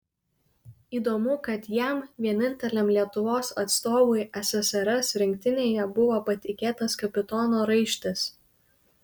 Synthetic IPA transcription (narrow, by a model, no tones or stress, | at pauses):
iːd̪oːmʊkɐt̪jɛmʋʲiɛnʲɪnʲt̪ʲɛlʲɛmlʲiɛt̪ʊʋoːsɐt̪st̪oːʋʊɪʔɛsʲɛsɛɾɛsɾʲɪŋʲk̚t̪ʲɪnʲeːjɛbʊʋoːpɐt̪ʲɪkʲeːt̪ɐskɐpʲɪt̪ɔːnoːɾɐɪʃʲt̪ʲɪs